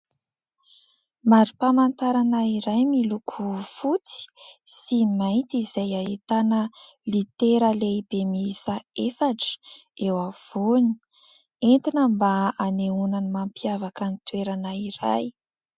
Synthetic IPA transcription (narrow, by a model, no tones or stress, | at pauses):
maɾipamant̪aɾanaiɾajmilukʰufut͡si̥simajt̪izajaɦit̪anə | lit̪eɾəlebemisaefaʈ͡ʂə̥ewav̥oni̥ | ent̪inəmbaaneunanimampiavakanit̪weɾanaiɾa̰j